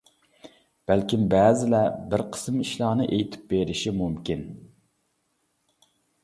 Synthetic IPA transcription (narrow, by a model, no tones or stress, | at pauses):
b̥ælkʲimbæːzɪlɛbɪɾqʰə̥smiʃlˠɑːnɨʔejt̪ʰɪ̥p̚beɾɪʃimumkʲin